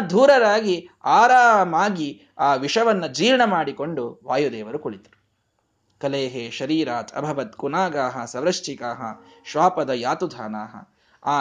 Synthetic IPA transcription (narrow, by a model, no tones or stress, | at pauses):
d̪ʱuːɾɐɾaːɡiaːɾaːmaːɡi | aːʋiʂɐʋɐnːɐd͡ʒiːɾɳɐmaːɽiko̞ɳɖuʋaːjud̪ɛːʋɐɾukuɭit̪ɐ̥ɾu | kɐleːɦeːʃɐɾiːɾaːt̪ʰɐ̰bʱɐʋɐt̪̚kunaːɡaːɦɐsɐʋɾɐʃt͡ʃikaːɦɐ̰ʃʋaːpɐd̪ɐjaːt̪ud̪ʱaːnaːɦɐ̰ | aː